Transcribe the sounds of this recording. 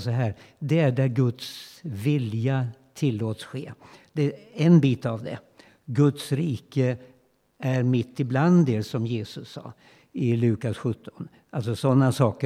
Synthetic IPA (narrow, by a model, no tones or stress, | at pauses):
sɔɦæːɾd̪ɛæɖæɾɡɵt̪svɪljat̪ʰɪlːoːt̪sɧeːd̪̥ɛɛnbiːt̪avd̪ɛ̰ | ɡɵt̪sɾiːkə | æɾmɪt̪ʰːɪbland̪ɛsɔmjeːsɵsːɑ̰ː | ɪlʉ̟ːkasɧɵt̪ʰːɔ̥n | ʔals̬ɔsɔnːasɑːkə